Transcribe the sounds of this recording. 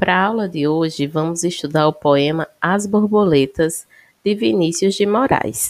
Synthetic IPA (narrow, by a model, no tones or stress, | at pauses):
pɾʔɐawlɐd̪ɪoʒɪvɐ̃mʊziʃt̪ud̪aɾʊpoẽmɐazboɾbolet̪ɐz | d̪̥ɪvinisjʊzd͡ʒɪmɔɾa̰js